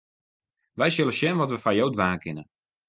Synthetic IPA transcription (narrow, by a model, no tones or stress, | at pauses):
ʋɛjsjɪləsjɛnʋɔtʋəfajowdʋaːkʰɪnə